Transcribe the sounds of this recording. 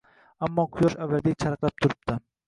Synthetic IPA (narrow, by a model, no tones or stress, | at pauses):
amːɒqʰʊjɒʃavːad̪ek̚ʲt͡ʃʰaɾqlap̚t̪ʰʊɾɪp̚t̪ɪ